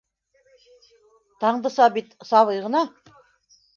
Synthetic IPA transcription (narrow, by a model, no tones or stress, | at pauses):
t̪ɑɴd̪ɤsɑbit̪sɑlɤjʁɤ̆nɑ